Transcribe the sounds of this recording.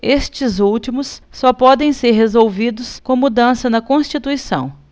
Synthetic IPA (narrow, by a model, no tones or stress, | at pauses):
est͡ʃɪzuwt͡ʃimʊsːɔpɔd̪ẽj̃seɾɦezowvid̪ʊskõmud̪ɐ̃sɐnɐkõst͡ʃit̪uisɐ̰̃w̃